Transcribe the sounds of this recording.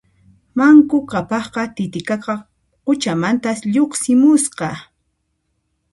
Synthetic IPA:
maŋkʊkapɑχqɑt̪ɪt̪ɪkɑkɑ | qʊt͡ʃamant̪asʎoχsɪmʊsqɑ

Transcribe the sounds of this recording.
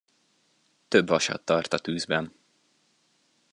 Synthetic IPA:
t̪ø̞bʋɒʃɒ̰t̪ːɒrt̪ɒt̪yːzbɛn

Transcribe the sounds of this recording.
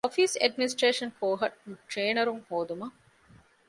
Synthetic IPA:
ɔfisɐ̰ɖminisʈɾeːʃɐnkoːɦɐʈ̚ʈɾeːnɐɾuŋhoːd̪umɐ

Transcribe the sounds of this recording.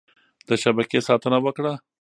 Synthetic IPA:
d̪̥əʃabakesɑt̪ənawəkɽa

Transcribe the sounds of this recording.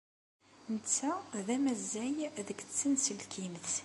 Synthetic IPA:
nət͡sːæðæmæzːæjðəɡt͡sːənsəlkʰimθ

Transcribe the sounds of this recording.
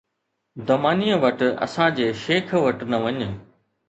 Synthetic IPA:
d̪ɐmaːnijəʋɐʈɐ̰sãd͡ʑeːʃeːkʰʋɐʈnɐʋɐɲ

